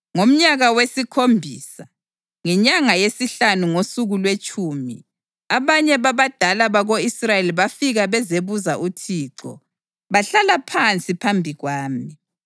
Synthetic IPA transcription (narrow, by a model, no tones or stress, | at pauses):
ŋom̩ɲaɣawesikʰombʱiːsa | ŋɛɲaŋajesiɬanuŋosuɣulwet͡ʃʼuːmḭ | aβaɲɛβaβad̥ʱalaβaɣoisrajeliβafiɣaβɛzeβuzaʔutʰiːǀɔ̰ | βaɬalapʰant͡sʼipʰambʱiɣwaːmi